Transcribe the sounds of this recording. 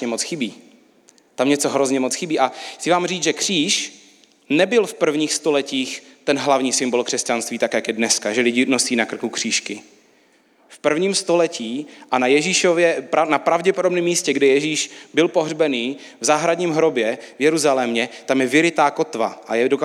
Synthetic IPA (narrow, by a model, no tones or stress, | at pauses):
ɛmot͡sxɪbiː | t̪amɲɛt͡soɦɾozɲɛmot͡sxɪbiːʔaxt͡sɪvaːmriːt͡sʒɛkr̝̥iːʃ | nɛbɪlfpr̩vɲiːxst̪o̞lɛciːxt̪ɛnɦlavɲiːsɪmbo̞lkr̝̥ɛscanst̪viːt̪akjakjɛdnɛskaʒɛlɪɟɪnosiːnakr̩kukr̝̥iːʃkɪ | fpr̩vɲiːmst̪o̞lɛciːʔanajɛʒiʃovjɛpɾanapɾavɟɛpodo̞bnɛmːiːscɛɡdɪjɛʒiːʃbɪlpoɦrbɛniː | vzaːɦɾadɲiːmɦɾobjɛvjɛɾuzalɛmɲɛt̪amjɛvɪɾɪt̪aːkot̪va̰ʔajɛdok